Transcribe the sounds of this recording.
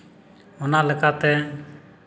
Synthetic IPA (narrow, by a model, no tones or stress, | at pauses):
ɔnaləkat̪ɛ